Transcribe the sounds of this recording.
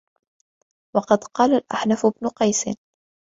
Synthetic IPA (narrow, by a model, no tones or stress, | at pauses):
wɑqɑd̪qɑːlalʔa̰ħnafʊbnʊqɑjsɪ̰n